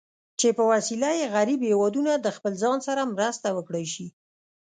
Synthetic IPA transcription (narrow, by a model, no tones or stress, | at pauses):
t͡ʃepəwasilajeɣaɾibhewɑd̪unad̪əxpəlzɑnsaɾamɾəst̪awəkɽəjʃi